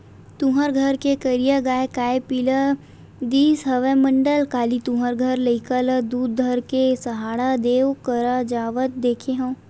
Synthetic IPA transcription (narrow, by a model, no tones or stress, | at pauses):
t̪ũɦəɾɡʱəɾkekəɾijaɡaːekaːepilə | d̪iːsɦɐʋemə̃ɳɖəlkaːlit̪ũɦəɾɡʱəɾləikələd̪uːd̪̚d̪ʱəɾkesɐɦaːɽad̪eːkəɾad͡ʒaːʋət̪̚d̪eːkʰeɦõː